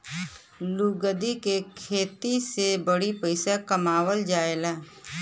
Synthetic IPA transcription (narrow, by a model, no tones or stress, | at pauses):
luɡəd̪ikekʰeːt̪isebəɽipəɪsakəmaːwəld͡ʒaːelaː